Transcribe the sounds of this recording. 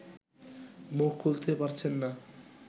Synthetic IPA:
muk̚ʰkolt̪epaɾt͡ɕʰenːa

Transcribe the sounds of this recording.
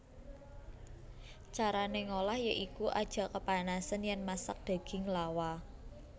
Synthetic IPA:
t͡ʃaɾaneŋolahjəʔikuʔad̥ʒ̥a̤kəpanasənjɛnmasa̰k̚d̪̥a̤ɡ̥ɪ̤ŋlawa

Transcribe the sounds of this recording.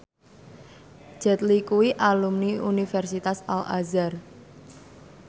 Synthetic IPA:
d͡ʒ̥ɛ̤t̪likuwiʔalumniunifɛrsit̪asala̰zar

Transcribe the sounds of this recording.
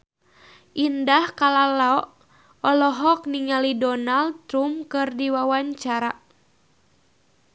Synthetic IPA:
ʔindahkalalaɔʔ | ɔlɔɦɔk̚niŋalidɔnaldt̪ɾumkɨrdiwawaɲt͡ʃaɾa

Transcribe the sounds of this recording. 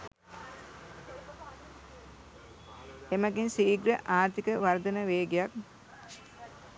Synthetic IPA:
eməɡinsiːɡɾəʔaːɾt̪ikəʋaɾd̪ənəʋeːɡejak̚

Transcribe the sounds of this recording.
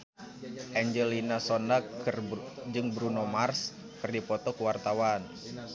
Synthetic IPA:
ʔɛɲd͡ʒɛlinasɔnakrd͡ʒɨŋbɾunomars | kɨrdipɔt̪ɔkuwart̪awan

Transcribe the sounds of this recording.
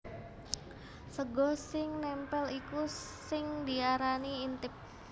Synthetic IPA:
səɡɔsɪŋnɛmpɛliku | sɪŋdiaɾaniːnt̪ɪp̚

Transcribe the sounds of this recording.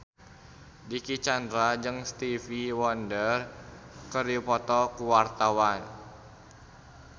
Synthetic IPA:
dikit͡ʃandɾad͡ʒɨŋst̪ifiwɔndər | kəɾiupɔt̪ɔkuwart̪awan

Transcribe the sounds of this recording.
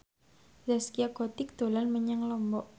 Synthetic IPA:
zaskiaɡ̥ɔt̪ɪk̚d̪̥o̤lanməɲaŋlɔmbɔʔ

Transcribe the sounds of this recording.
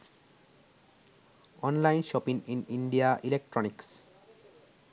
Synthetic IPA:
ɔnlajnʃɔpiŋiniɳɖiaʔilek̚ʈɾɔniks

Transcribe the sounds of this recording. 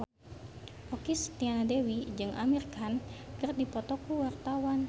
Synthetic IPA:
ʔɔkist̪ianadewid͡ʒɨŋʔa̰mirkankərdipɔt̪ɔkuwart̪awan

